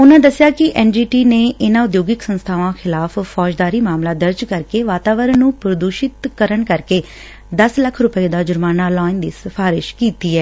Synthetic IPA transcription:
ʊnãːd̪əsɪjaːkɪʔɛːnd͡ʒiːʈiːneːɪnãːʊd̪joːɡɪksənst̪ʰaːʋãːxʰɪlaːffɔːd͡ʒd̪aːɾiːmaːmlaːd̪əɾd͡ʒkəɾkeːʋaːt̪aːʋəɾnũːpɾəd̪uːʃɪt̪kəɾəɳkəɾkeː | d̪əsləkʰɾʊpəeːd̪aːd͡ʒʊɾmaːnaːlaːɪnd̪iːsəfʰaːɾɪʃkiːt̪iːɛː

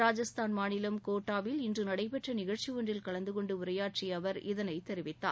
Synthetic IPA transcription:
ɾaːd͡ʒɐst̪aːnmaːnɪlɐmkoːʈːaːʋɪlɪndrɯnɐɽɐɪpɛʈrɐnɪɣɐɭt͡ʃiʋoɳdrɪlkɐɭɐnd̪ɯkɔɳɖɯʊɾɐjaːʈriɐʋɐɾɪðɐnɐɪt̪ːɛɾɪʋɪt̪ːa̰ː

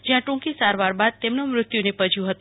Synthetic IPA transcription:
d͡ʒiãʈũŋkisaɾʋaɾbad̪̚t̪emnomɾʊt̪junepəd͡ʒjũɦət̪

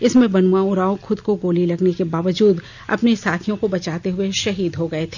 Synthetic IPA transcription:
ɪsmẽbɐnuãʊɾaːõxʊd̪koɡoːlilɐɡnekebaːʋəd͡ʒuːd̪ | ɐ̰pnesaːt̪ʰijõkobɐt͡ʃaːt̪eɦʊeʃɐɦiːd̪ɦoɡɐet̪ʰe̥

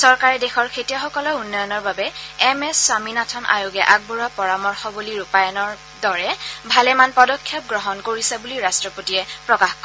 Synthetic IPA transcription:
sɔɹkaɹɛdexɔɹkʰetijɔxɔkɔlɔunːɔjɔnɔɹbabɛɛmɛsːwaminatʰɔnʔa̰joɡɛʔak̚buɹapɔɹamɔɹxɔbuliɹupajɔnɔɹ | dɔɹɛbʱalɛmanpɔdɔkʰːjɛp̚ɡɹɔɦɔnkoɹisɛbuliɹastɹɔpotiɛpɹɔkaxkɔ

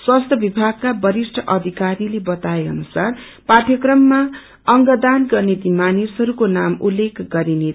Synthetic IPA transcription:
swast̪ʰjʌbibʱaɡ̚kabʌɾisʈʰʌʔʌd̪ʱikaɾilebʌt̪aeʌ̰nusar | paʈʰjʌkrʌmːa | ʌŋɡʌd̪anɡʌrnet̪imanisɦʌɾukonamulːekʰɡʌɾine

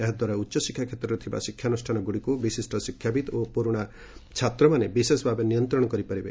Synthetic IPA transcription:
eɦd̪waɾautːʃɔsikʰːjakʰjet̪ɾɔɾet̪ʰiba̰sikʰjanusʈʰanɔɡuɽikubisisʈʰɔsikʰːjabit̪opuɾuɽ̃a | t͡ʃʰat̪ɾɔmanebisesɔbʱabenijɔnt̪ɾɔɽɔkɔɾipɔɾibe

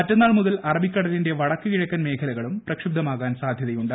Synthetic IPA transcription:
mɐtːɐnːaːɭmuðɐlɐrɐbʱikʲːɐɽɐlinde̞ʋɐɽɐkːɨkiɻɐkːɐnme̞ːkʰɐlɐɣɐɭumprɐkʂib̚d̪ɐmaːɣaːnsaːd̪ʱjɐðɐjuɳɖɨ

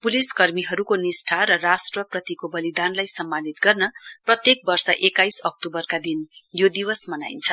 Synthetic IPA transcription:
puliskʌrmiɦʌɾukonisʈʰaɾʌrasʈrʌprʌt̪ikobʌlid̪anlajsʌmːanit̪ɡʌrnʌprʌt̪jek̚bʌrsʌʔekajsʌk̚tobʌrkad̪injod̪iwʌsmʌna̰jnt͡sʰʌ

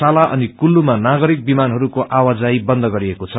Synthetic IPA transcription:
alaʔʌ̰nikulːumanaɡʌɾik̚bimanɦʌɾukoʔawad͡zajbʌnd̪ʱʌɡʌɾiekot͡sʰʌ

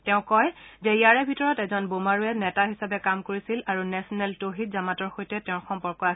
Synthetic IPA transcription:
tɛʊ̃kɔjzɛjaɹɛbʱitɔɹɔtɛzɔnbomaɹuɛnɛtaɦisabɛkamkoɹisilaɹunɛsɔnɛltoɦitzamatɔɹxojtɛtɛ̃ʊ̃xɔmpɔɹkɔa

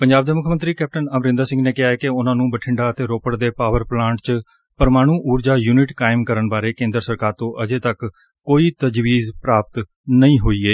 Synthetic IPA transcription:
pəɲd͡ʒaːbd̪eːmʊkʰːmənt̪ɾiːkɛːp̚ʈənəmɾɪ̃nd̪aːsɪ̃ŋɡneːkɪɦaːɛːkeʊnãːnũːbəʈʰɪɳɖaːət̪eːɾoːpəɽd̪eːpaːʋəɾplãːɳʈt͡ʃ | pəɾmaːɽ̃ũːʔuːɾd͡ʒaːjuːnɪʈkaːɪmkəɾəɳbaːɾeːkẽːnd̪ɾəsəɾkaːɾt̪õːʔəd͡ʒeːt̪əkː | oːiːt̪əd͡ʒʋiːzpɾaːp̚t̪ | nəĩːɦoːiːeː

